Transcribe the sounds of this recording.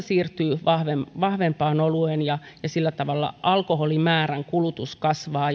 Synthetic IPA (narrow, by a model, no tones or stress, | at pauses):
siːrt̪yːʋɑhʋemʋɑhʋempɑːnoluenjɑjɑsilːæt̪ɑʋɑlːɑ̰ʔɑlkoholimæːræŋkulut̪uskɑsʋɑː